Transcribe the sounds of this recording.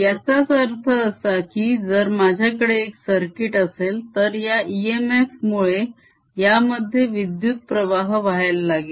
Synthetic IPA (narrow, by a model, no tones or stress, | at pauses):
jat͡sat͡səɾt̪ʰəːsakiːd͡zəɾmad͡ʑʱjakəɽeːksəɾkiʈəselt̪əɾjaʔiemefmuɭe | jaməd̪ʱːjeʋid̪jut̪̚pɾəʋaɦʋaɦalːaɡe